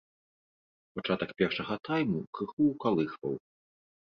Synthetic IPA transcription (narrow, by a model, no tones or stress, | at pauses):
pat͡ʂat̪ɐkpʲɛrʂɐɣɐt̪ajmukɾɨxuwkalˠɨxvɐ̰w